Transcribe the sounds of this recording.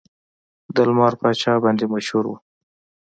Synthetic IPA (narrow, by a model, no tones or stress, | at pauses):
d̪əlmɑɾpat͡ʃɑbɑnd̪emaʃhuɾwṵ